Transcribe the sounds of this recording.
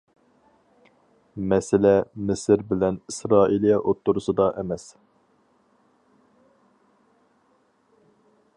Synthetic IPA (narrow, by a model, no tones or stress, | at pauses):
mɛsɪlɛmɪsɪɾbɪlɛnisɾɑːʔilˠijɛʔot̪ːʊɾʊsɨd̪ɑʔɛmɛs